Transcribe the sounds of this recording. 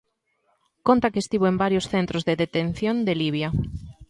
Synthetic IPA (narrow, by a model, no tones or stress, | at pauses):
kont̪akeːst̪iβ̞oembaɾjosθent̪ɾozðeðet̪en̟θjõnd̪eliβ̞ja